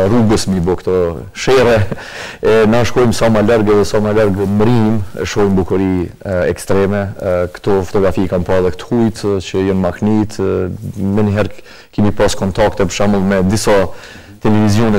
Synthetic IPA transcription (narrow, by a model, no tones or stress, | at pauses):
ruɡəsməbɔkt̪ɔ | ʃɛɾɛ | ɛnaʃkɔjmsamalaɾɡɛðɛsamalaɾɡmɾim̰ʃkɔjmbukuɾiɛkst̪ɾɛmɛkə̥t̪ɔfɔ̥t̪ɔɡɾafikanpɑðɛkt̪ə̥hujt̪t͡ʃəjɔnmaknit̪ | mɛnɦɛɾ | kɛmipaskɔnt̪akt̪ɛpəɾʃaməlˠmɛd̪isa | t̪ɛlɛvizjɔnɛ